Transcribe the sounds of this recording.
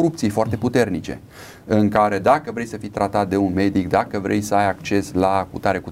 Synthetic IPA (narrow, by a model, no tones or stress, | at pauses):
ɾupt̪sijfoart̪e̞put̪e̞rnit͡ʃe̞̰ | ɨŋkaɾe̞d̪akəvɾejsəfijt̪ɾat̪at̪̚d̪e̞unme̞d̪ikd̪akəvɾʔejsəajakt͡ʃe̞slakṵt̪aɾeku